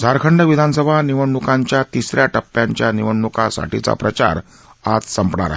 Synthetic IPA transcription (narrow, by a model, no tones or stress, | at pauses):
d͡zʱaɾkʰəɳɖəʋid̪ʱansəbʱaniʋəɳːukãɲt͡ɕjat̪isɾjaʈəpːjaɲt͡ɕjaniʋəɳːukasa̰ʈit͡sa̰pɾət͡ɕa̰ɾ | ad͡zsəmpɳaɾa̰ɦe